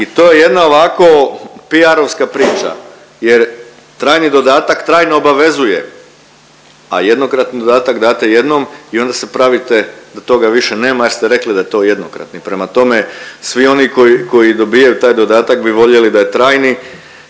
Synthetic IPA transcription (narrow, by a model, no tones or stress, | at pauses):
it̪o̞ːjeje̞d̪nao̞ʋako̞piaɾo̞ʋskapɾiːt͡ʃa̰ | jeɾ | t̪ɾaːjnid̪o̞d̪aːt̪akt̪ɾaːjnoːbaʋe̞zuje̞ | a̰jed̪no̞kɾat̪nid̪o̞d̪aːt̪akd̪aːt̪eje̞d̪no̞mio̞nd̪asepɾaʋit̪e̞d̪at̪o̞ɡaʋiʃe̞ne̞ːmajeɾst̪eɾe̞klid̪ajet̪o̞ːje̞d̪nokɾa̰t̪nipɾe̞mat̪o̞me̞sʋio̞niko̞jiko̞jid̪o̞bijajut̪aːjd̪o̞d̪aːt̪akbiʋo̞ʎe̞lid̪ajet̪ɾaːjni